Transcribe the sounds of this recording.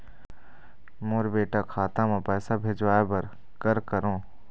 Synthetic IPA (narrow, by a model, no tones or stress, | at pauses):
moːɾbeːʈakʰaːt̪ãmẽpɛːsabʱeːd͡ʒʋaːebɐɾ | kɐɾkəɾõː